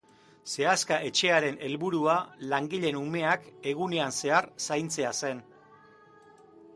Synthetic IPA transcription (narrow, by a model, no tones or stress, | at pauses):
se̞askaʔe̞t͡ʃe̞aɾe̞nʔe̞lβuɾualaŋɡiʎe̞nume̞ake̞ɣ̞une̞anse̞aɾsajnt͡se̞ase̞n